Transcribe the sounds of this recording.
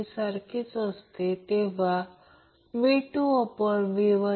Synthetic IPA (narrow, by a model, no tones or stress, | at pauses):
saɾkʰit͡səst̪et̪eʋa | miʈuɔpəɳʋiʋə